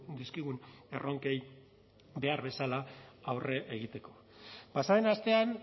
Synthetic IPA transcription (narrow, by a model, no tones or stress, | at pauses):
d̪iskiɣ̞une̞ro̞ŋke̞j | be̞aɾβe̞salaawre̞ʔeɣ̞it̪e̞ko̞ | pasaenast̪e̞an